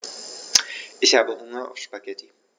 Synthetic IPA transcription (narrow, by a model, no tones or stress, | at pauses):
ʔɪçhaːbəhʊŋɐa̰ʊfʃpaɡɛti